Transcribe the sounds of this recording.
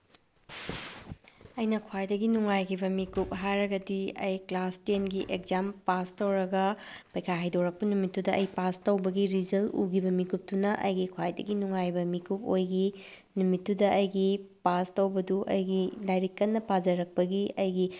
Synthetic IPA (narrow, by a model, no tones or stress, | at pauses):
ɐjnɐkʰwajdɐɡinuŋajkʰibɐmikup̚ɦajɾɐɡɐdiɐjklastenɡiʔekzampastowɾɐɡɐpɐjkʰajɦajdowɾɐk̚pɐnumitːudɐʔɐ̰jpastɐwbɐɡiɾizɐlṵɡibɐmikup̚tunɐʔɐ̰jɡikʰwajdɐ̰ɡinuŋajbɐmikup̚ojɡi | numitːudɐʔɐjɡipastɐwbɐduʔɐ̰jɡilajɾikːɐnːɐpazɐɾɐk̚pɐɡiɐjɡi